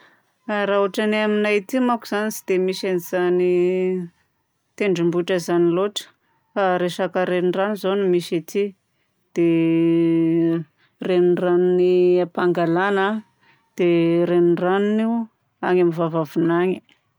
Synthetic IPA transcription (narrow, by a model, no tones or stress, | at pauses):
aɾauʈ͡ʂanaminajt̪imakuz̥anisi̥d̪̥emisaniz̥ani | t̪eɳɖ͡ʐimbuʈ͡ʂəzaniloʈ͡ʂə̥ | faɾeʃakəɾeniranizonimiʃat̪i | d̪̥e | renraniniapaŋɡalana | d̪̥eɾenraniniw | a̰ŋamivavavunaɲi